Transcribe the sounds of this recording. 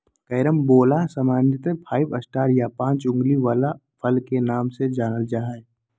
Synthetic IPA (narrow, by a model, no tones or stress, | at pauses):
kəjɾəmboːlaɦsəmaːnjət̪epʰaːɪbəsʈaːɾjapãːt͡ʃʊ̃ŋɡliʋaːlapʰəlkenaːmsed͡ʒaːnəld͡ʒaːɦa